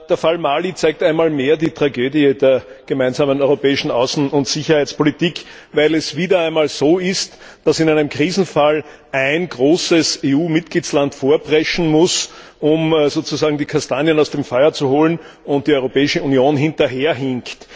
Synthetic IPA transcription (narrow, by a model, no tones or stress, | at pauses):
d̥eːɐfalmaːlit͡sæɪktæɪnmaːlmeːɐdiːtʁ̥aɡøːdiədeːɐɡ̥əmæɪ̃nzaːmənɔʏʁopɛːɪʃn̩ɑʊsn̩ʊntz̥içɐhæɪt͡spolitiːk | væɪlɛsviːdɐæɪnmaːlz̥oːɪst | d̥asɪnæɪnəmkʁ̥iːzn̩fal | ʔæɪnɡʁoːsəseːuːmɪt̚ɡ̥liːt͡slantfoːɐbʁɛʃn̩mʊsʔʊmzoːt͡suzaːɡŋ̩diːkʰastaːnjənɑʊsd̥emfɔʏɐt͡suhoːlən | ʊ̃nt̚d̥iɔʏʁopɛːɪʃəunjoːnɦɪ̃ntɐɦeːɐɦɪŋkt